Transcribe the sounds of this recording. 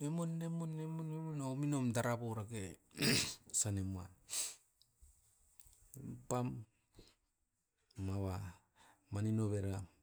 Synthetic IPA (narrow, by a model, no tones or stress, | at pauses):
emunːemunːemunemunaominomdaɾaboɾake | sanemuan | pam | aβa | maninoβeɾɡam